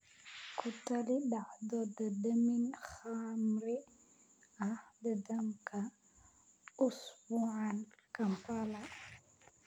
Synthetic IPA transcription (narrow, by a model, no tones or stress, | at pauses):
kʰʊt̪ʰɐlidaʕd̪ɔd̪ɐd̪ɐminχamɾɪ | ɐhd̪ɐd̪ɐmkʰɐ | ʔʊsbuːʕankʰɐmpalɐ